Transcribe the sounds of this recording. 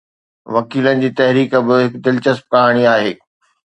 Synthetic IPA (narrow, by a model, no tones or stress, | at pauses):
ʋɐkiːlənɪ̆d͡ʑiːt̪ɐɦɾiːkəbɪɦɪkd̪ɪlt͡ɕɐsp̚kaɦɽ̃iaːɦeː